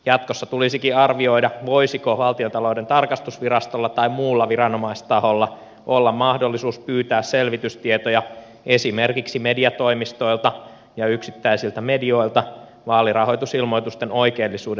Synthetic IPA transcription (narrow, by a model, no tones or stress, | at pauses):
jɑt̪kosːɑt̪ulisikiɑrʋio̞idɑʋo̞isikoʋɑlt̪iont̪ɑloːdent̪ɑrkɑst̪usʋirɑst̪olːɑt̪ɑimmuːlːɑʋiɾɑnomɑist̪ɑholːɑ | ʔolːɑmmɑhdo̞lːisuːspyːt̪æːsselʋit̪yst̪iet̪ojɑ | esimerkiksimediɑt̪o̞imist̪o̞ilt̪ɑ | jɑyksit̪ːæisilt̪æmedio̞ilt̪ɑ | ʋɑːlirɑho̞jt̪usilmo̞jt̪ust̪eno̞ikeːlːisuːd